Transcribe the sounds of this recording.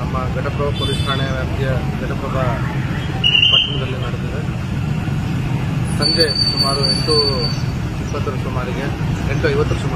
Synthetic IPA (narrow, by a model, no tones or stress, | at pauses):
nɐmːɐɡɛʈɐpɾɐʋɐpoɾisʈʰaːɳeʋjaːpt̪ijɐɡɛʈɐpɾɐʋɐ | pɐʈːɐmɐd̪ɐlːimaːɽut̪ːiɾe | sɐnd̪esumaːɾueɳʈu | ipːɐt̪ːuɾɐsumaːɾiɡeeɳʈuɐjʋɐt̪ːɐɾɐsumaː